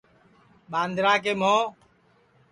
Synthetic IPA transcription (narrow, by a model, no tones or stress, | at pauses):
ɓãːnd̪ʱɾãːkeːmoː